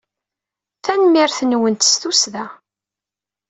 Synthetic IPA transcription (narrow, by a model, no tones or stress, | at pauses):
θænmɪɾθənwənt̪st̪usðæ